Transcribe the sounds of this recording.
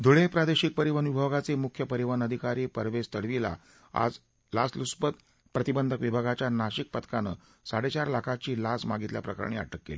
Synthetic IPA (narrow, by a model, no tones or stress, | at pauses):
d̪ʱuɭepɾad̪eɕik̚pəɾiʋənubʱəɡat͡semukʰjəpəɾiʋənəd̪ʱikaɾiːpəɾʋest̪əɽʋila̰ | a̰d͡z | lasluspət̪ | pɾət̪ibənd̪ʱəkʋibʱaɡat͡ɕjanaɕik̚pət̪kanə̰ | saɽet͡ɕaɾlakʰat͡ɕiːlasmaɡit̪lja̰pɾəka̰ɾɳia̰ʈəkːḛli